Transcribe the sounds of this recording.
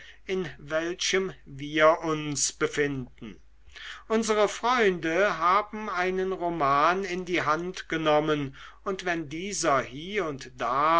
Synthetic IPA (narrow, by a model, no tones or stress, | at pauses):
ʔɪnvɛlʃəmviːɐʔʊnsb̥əfɪndn̩ | ʔʊnzəʁəfʁ̥ɔʏndəɦaːbm̩aɪnənʁomaːnɪndiːɦantɡ̥ənɔmənʔʊntv̥ɛndiːzɐhiːʊntd̥aː